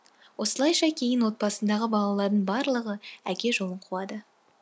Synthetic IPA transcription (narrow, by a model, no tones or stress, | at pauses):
wʔo̞səlˠɑjʃɑkʲʰe̞jɪnwo̞t̪̚bɑsənd̪ɑʁəbɑlˠɑlˠɑɾd̪əɴbɑɾlˠəʁəækʲe̞ʒo̞lˠəɴqʰuɑd̪ə